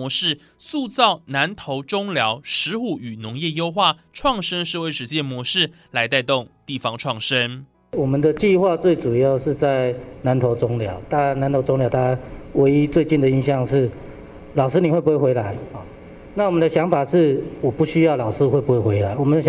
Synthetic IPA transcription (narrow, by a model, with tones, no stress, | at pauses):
ɔ˧˥˦ʂɻ̩˥˨ | su˥˧t͡sɑ˥˩ʊna˧˦nt̪ʰo˧˥ʊʈ͡ʂʊ˥ŋljɑ˧˥ʊʂɻ̩˧˥xu˨˩y˨˩nʊ˧˥ŋjɛ˥˧jo˥ʊxwa˥˩ʈ͡ʂʰwɑ˥˧ŋʂə˥nʂɻ̩˥˩we˧˥ɪʂɻ̩˧˥t͡ɕjɛ˥˩nmwɔ˧˥ʂɻ̩˥˩ | la˧˥ɪt̪̬a˥˧ɪt̪o˥˨ŋt̪i˥˩fɑ˧ŋʈ͡ʂʰwɑ˥˩ŋʂə˥n | wɔ˨˩mə˨nd̪ə˨t͡ɕi˥˧xwa˥˧t͡swe˥˩ɪʈ͡ʂu˨˩jɑ˥˧ʊʂɻ̩˥˧t͡sa˥˩ɪna˧˦nt̪ʰo˧˥ʊʈ͡ʂʊ˦ŋljɑ˧˦ʊt̪a˥˧a˥˧na˧˦nt̪ʰo˧˥ʊʈ͡ʂo˥ŋljɑ˧˥t̪ʰa˥a˥we˧˥ɪi˦˥t͡swe˥˧ɪt͡ɕi˥˩nd̪ə˨i˧˥nɕjɑ˥˧ŋʂɻ̩˥˩ | lɑ˨˩ʊʂɻ̩˥ni˨˩wpu˧˥we˥˩xe˧˥ɪla˧˦ɪhɔ˨˩ | na˥˩wɔ˨˩mə˨˦nd̪ə˧ɕjɑ˧˥ŋfa˨˩ʂɻ̩˥˩wɔ˨˩pu˥˩ɕy˥jɑ˥˩ʊlɑ˨˩ʊʂɹ̩˦xwe˥˩ɪpu˦˥we˥˩xwe˧˥ɪla˧˦ɪwɔ˨˩mə˨nə˧